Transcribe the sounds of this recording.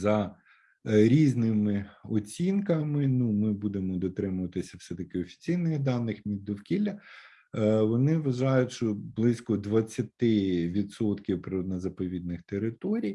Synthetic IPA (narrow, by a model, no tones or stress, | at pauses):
zɐ | ɾʲiznɪmɪɔt͡sʲinkɐmɪnumɪbud̪emɔd̪ɔt̪ɾɪmʊʋɐt̪ɪsʲɐfsɛt̪ɐkɪɔfʲi̥t͡sʲijnɐd̪ɑnːɪxmʲid̪̚d̪ɔwkʲilʲːɐ | ʋɔnɪʋɐʒɑjʊtʲʃt͡ʃɔblˠɪsʲkɔd̪ʋɐt͡sʲːɐt̪ɪʋʲid̪sɔt̪kʲiwpɾɔd̪nɐzɐpɔʋʲid̪nɪxt̪eɾɪt̪ɔɾʲij